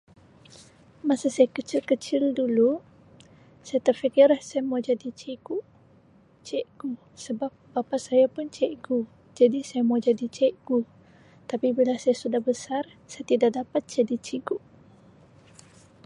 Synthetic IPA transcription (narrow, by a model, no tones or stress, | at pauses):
masasajakət͡ʃɪlkət͡ʃɪldulu | sajat̪ərfikɪrlahsajamawd͡ʒadit͡ʃiɡuʔ | t͡ʃɛʔɡu | səbap̚bapasajapʊnt͡ʃɛʔɡu | d͡ʒadisajamawd͡ʒadit͡ʃɛʔɡ̥u | t̪apibilasajasudahbəsar | sajat̪idaʔ̚dapat̪̚d͡ʒadit͡ʃiɡuʔ